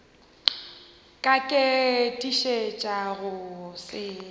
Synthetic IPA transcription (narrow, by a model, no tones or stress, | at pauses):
kʼakʼɪtʼiʃet͡ʃʼaɣʊsɪ